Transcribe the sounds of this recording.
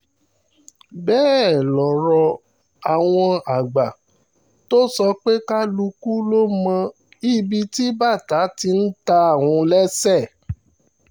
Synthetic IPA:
bɛː˦ɛ˦˨lɔ˨ɾɔ˧ | a˨w̃ɔ̃˧a˨ɡ͡ba˨ | to˦sɔ˧k͡pe˦ka˦lu˧ku˦lo˦mã˧ | i˦˨bi˧˦ti˦ba˦˨ta˨˦ti˧n̩˦ta˧˦˨w̃ũ˧lɛ˦sɛ˦˨

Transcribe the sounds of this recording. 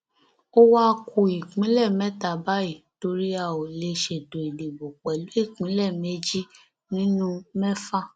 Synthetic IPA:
o˦wa˦˧kʰu˧i˨k͡pĩ˨˦lɛ˦˨mɛ˦ta˨ba˦i˦˨to˧˦ɾi˦a˧˨o˨le˧ʃe˨do˨i˨de˨bo˨k͡pɛ˨lu˨˦i˦˨k͡pĩ˨˦lɛ˦˨me˦d͡ʒi˦ | nĩ˦nũ˦mɛ˦fa˦˨

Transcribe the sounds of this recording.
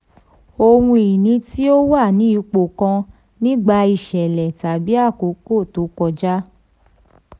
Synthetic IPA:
o˧wũ˧i˨nĩ˧˦ti˦o˦wa˦˨nĩ˨˦i˦˧k͡po˨kã˧ | nĩ˦ɡ͡ba˧i˧˨ʃɛ˨lɛ˨ta˨bi˨˦a˦˨ko˨˦ko˦˨to˨˦kɔ˧d͡ʒa˦

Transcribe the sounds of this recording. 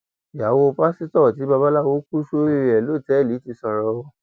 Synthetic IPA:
ja˨wo˧pa˦si˦tɔ˦˨ti˨˦ba˧ba˦la˦˨wo˦ku˦ʃo˦i˦˧˨ɛ˨lo˦˨tɛ˨˦˨li˨˦ti˧sɔ˧ɾɔ˧wɔ˧˦

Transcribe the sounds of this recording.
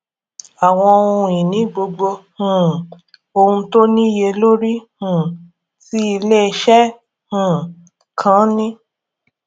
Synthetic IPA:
a˨w̃ɔ̃˧o˧ũ˧ĩ˨nĩ˨˦ɡ͡bo˧ɡ͡bo˧hũ˨ | o˧hũ˧to˦nĩ˦je˧lo˦ɾi˦hũ˨ | ti˦i˧le˦˧ʃɛ˦ | hũ˨ | kʰã˨˦nĩ˦

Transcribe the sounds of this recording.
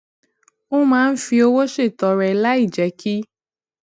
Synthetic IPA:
o˦mãː˦˧n̩˦fi˧o˧wo˦ʃe˦˨tɔ˨ɾɛ˨˦la˦i˦˨d͡ʒɛ˨˦ki˦

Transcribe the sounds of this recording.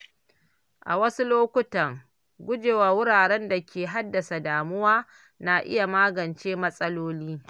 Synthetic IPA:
ʔa̰˨wɐ˦su˦loː˦kʷʊ˦tɐ˨ŋ | ɡʷʊ˦d͡ʒeː˨waː˨wʊ˦ɽaː˨ɽɛ˦nda˨kʲeː˨ɦa˦dːɐ˨sa˨daː˨mʊ˦waː˦ | na˨ʔɪ̰˦ja˨maː˦ɡɐ˨nt͡ʃeː˦mɐ˦sʼɐ˦loː˦liː˦

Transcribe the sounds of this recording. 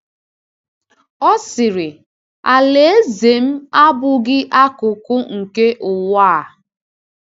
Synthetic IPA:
ɔ˦sɪ˨ɾɪ˨ | a˨le˨e˦ze˨m̩˦a˦bʊ˨ɡɪ˦ʔa˦kʊ˨kʊ˦ŋ̩˨ke˦ʔʊ˨waː˦˨

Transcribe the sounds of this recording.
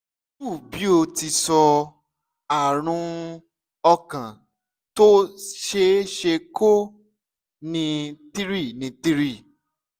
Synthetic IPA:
bu˦˨bi˨˦o˧ti˧sɔ˧ | a˨ɾ̃ũ˧ | ɔ˧kã˨ | to˦ʃe˧˦ʃe˧ko˦ | nĩ˧ti˦ɾi˦˨nĩ˧ti˦ɾi˦˨

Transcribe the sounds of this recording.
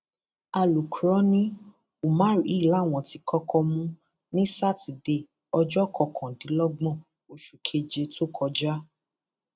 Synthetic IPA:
a˧˨lu˨ku˨ɾɔ˨˦nĩ˦ | u˨mã˦ɾi˨˦˨la˨˦˨w̃ɔ̃˨ti˧kɔ˦kʰɔ˧mũ˦ | nĩ˦sa˦˨ti˨de˧˨ | ɔ˧d͡ʒɔ˦˨kʰɔ˧kʰã˨dĩ˨˦lɔ˦ɡ͡bɔ̃˦˨ | o˨ʃu˨kʰe˧d͡ʒe˧to˦kʰɔ˧d͡ʒa˦

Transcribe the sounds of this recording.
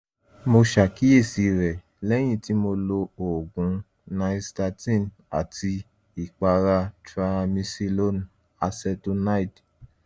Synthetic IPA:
mo˧ʃa˨ki˨˦e˦˨si˨˦ɾɛ˨ | lɛ˦j̃ĩ˧ti˨˦mo˧lo˧o˨ɡũ˨ | nã˦sta˧tĩ˦˨n | a˨ti˧ | i˨k͡pa˧ɾa˧tɾa˧mĩ˧si˧lo˦n | a˧sɛ˧to˧na˦i˨t

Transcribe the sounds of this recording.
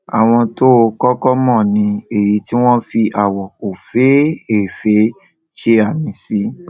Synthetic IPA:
a˨w̃ɔ̃˧to˦˧kɔ˦kɔ˦mɔ̃˦˨nĩ˧e˨ji˨˦ti˦w̃ɔ̃˦fi˧ʔa˨wɔ˨o˨fe˨˦e˦˨fe˦ | ʃe˦a˦˨mĩ˨˦si˦

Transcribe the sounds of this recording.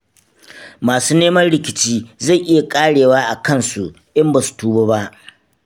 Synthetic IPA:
maː˨suː˦neː˦mɐ˦nɽɪ˨kʲɪ˨t͡ʃiː˦za˦˨jʔɪ˦ja˨kʼaː˦ɽeː˨waː˦ʔa˨kɐ˦˨nsu˨ | ʔɪ˦mba˨su̥˨tuː˦boː˦ba˦ʔ

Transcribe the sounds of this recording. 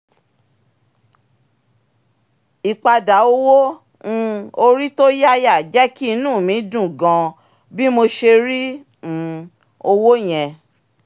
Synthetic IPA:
i˨k͡pa˧da˨o˧wõ˦˧˦ | o˧ɾi˦to˦ja˦ja˦˨d͡ʒɛ˦ki˦i˧nũː˦˨mĩ˨˦dũ˦˨ɡã˧ | bi˦mo˧ʃe˧ɾĩ˦˨ | o˧wo˦j̃ɛ̃˧

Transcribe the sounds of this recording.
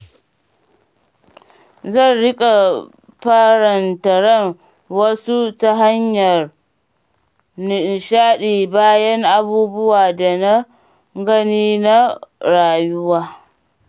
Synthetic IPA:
zɐ˦˨nɽɪ˦kʼa˨ | ɸɐ˦ɾɐ˨ntɐ˨ɽɐ˦˨ŋ | wɐ˦su˦ta˦ɦa˦ɲjɐ˨r | nɪ˨ʃaː˦ɗiː˨baː˦jɐ˦ŋʔa˦buː˦bʊ˦waː˨da˨na˦ | ɡɐ˦niː˦na˦ɽaː˨jʊ˦waː˦

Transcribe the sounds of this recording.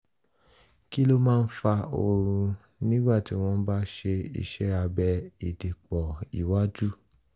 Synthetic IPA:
ki˦lo˦mãː˦˧n̩˦fa˧o˧ɾ̃ũ˧ | nĩ˦ɡ͡ba˦˨ti˨˦w̃ɔ̃˧n̩˦ba˦ʃe˧ḭ˧ʃɛ˦a˧bɛ˧i˨di˨k͡pɔ˨ḭ˨wa˦d͡ʒu˦

